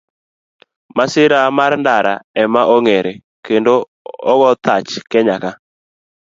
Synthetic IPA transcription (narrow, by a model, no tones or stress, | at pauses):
masɪɾamarndaɾa̰ɛmaʔoŋeɾe | kendo | ɔɡɔt̪at͡ʃkɛɲaka